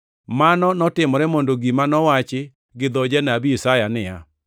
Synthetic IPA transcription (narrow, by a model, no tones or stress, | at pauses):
manɔnɔtɪmɔɾɛmondoɡimanɔwat͡ʃɪ | ɡɪd̪ɔd͡ʒɛnabiisajanɪja̰